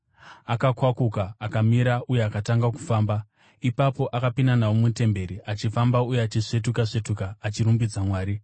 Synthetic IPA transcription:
akakwakukaːkamiɾaʔuje̞akataŋɡaku̥faːmba | ipapo̞ʔakapinanawomute̞mbe̞ɾiʔat͡ʃifambaujeat͡ʃiʂe̞t̬ukaʂe̞tukaːt͡ʃiɾumbid͡zamwaːɾi

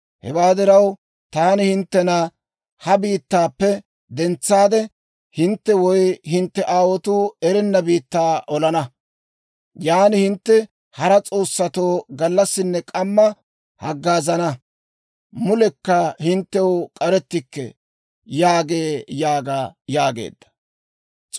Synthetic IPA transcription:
hɛ̰waːd̪ɪɾɐw | t̪aːnɪhɪnt̪ːɛna | hɐbiːt̪ːaːpːɛ | d̪ɛnt͡sːaːd̪ɛ | hɪnt̪ːɛwɔjhɪnt̪ːɛʔaːwɔt̪uɛɾɛnːɐbiːt̪ːaːʔɔlɐnɐ | jaːnɪhɪnt̪ːɛ | hɐɾɐt͡sʼo̞ːsːɐt̪o̞ːɡɐlːɐsːɪnːɛkʼɐmːɐ | hɐɡːaːzɐnɐ | mʊlɛkːɐhɪnt̪ːɛwkʼɐɾɛt̪ːɪkːɛ̰ | jaːɡeːjaːɡaːjaːɡḛːd̪ːɐ̥

